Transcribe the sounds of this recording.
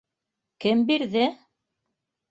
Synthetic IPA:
kɘmbiɾðɘ

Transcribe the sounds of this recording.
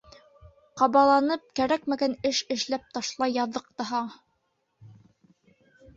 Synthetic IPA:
qɑβɑlˠɑnɤp̚kæɾækmæɡænɘʃɘ̆ʃlæp̚t̪ɑʃlˠɑjːɑðːɤq̚t̪ɑɦɑ

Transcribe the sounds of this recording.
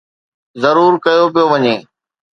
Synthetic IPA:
zɐɾuːɾkɐjopɪjoʋɐɲeː

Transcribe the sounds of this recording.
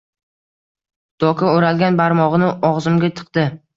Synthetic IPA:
d̪̥ɒkʰaoɾalɡʲanbaɾmɒʁɨnɪʔɒʁzɪmɡʲat̪ʰɨ̥qd̪̥ɪ

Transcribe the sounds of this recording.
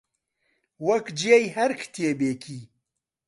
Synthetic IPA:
wɐkd͡ʒijejhɐɾkʰt̪ʰijebeːkʰiː

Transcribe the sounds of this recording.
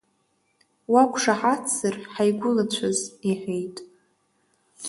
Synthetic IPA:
wakʷʰʼʂaħat͡sʰːɨrħajɡʷʊlat͡ɕʷʰaziħʷᶣejtʼ

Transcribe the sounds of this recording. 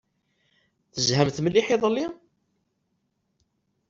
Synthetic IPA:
θəzhæmθməlːiħɪðˤəlːi

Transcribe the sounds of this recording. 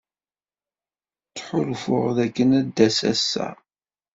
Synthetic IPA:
t͡sːħʊlfʊʁðækːənæd̪ːæsæ̰sːæ̰

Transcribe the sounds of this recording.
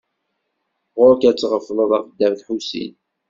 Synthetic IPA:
ʁʊɾkæt͡sːʁəfːləðˤæfəd̪ːæmθħusḭn

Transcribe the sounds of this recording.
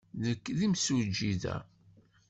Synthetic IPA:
ðəkːðimsud͡ʒːiðæ̰

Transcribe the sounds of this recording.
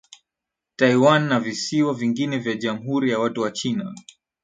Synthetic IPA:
taiwanːavisiwaviŋɡinɛvjaʄamuɦuɾijawatuwat͡ʃina

